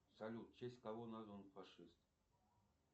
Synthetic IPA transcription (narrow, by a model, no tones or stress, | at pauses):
salʲut̪̚t͡ʃesʲkavonazonfaʂɨst̪̚